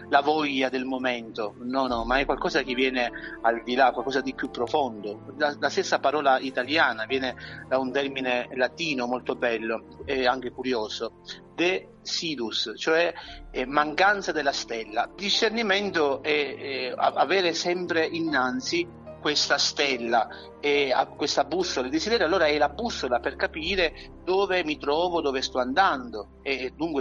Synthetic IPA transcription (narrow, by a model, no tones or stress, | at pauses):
lavɔʎːad̪elmomɛnt̪onɔnɔmaɛkːwalkɔːzak̟ivːjɛːneald̪ilakwalkɔːsad̪ipjupːɾofond̪oalast̪esːapaɾɔːlait̪aljaːnavjɛːned̪aunt̪ɛrminelat̪iːnomɔlt̪obɛlːo | ɛaŋk̟ekuɾjoːso | d̪e | siːd̪ust͡ʃoɛmaŋkant̪sad̪elast̪ɛlːad̪iʃːernimɛnt̪oɛa̰a̰vɛːɾesɛmpɾeʔinːant̪si | kwest̪ast̪ɛlːa | ɛa̰kwest̪abːusːolaed̪isid̪ɛːɾjalːoːɾaɛlabːusːolaperkapiːɾe | d̪ɔːvemit̪ɾɔːvod̪ovest̪ɔand̪and̪o | ed̪uŋkwe